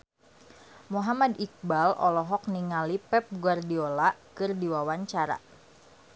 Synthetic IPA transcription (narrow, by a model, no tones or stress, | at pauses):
moɦamadik̚balɔ̰lɔɦɔk̚niŋalipɛp̚ɡuardiolakɨrdiwawaɲt͡ʃaɾa̰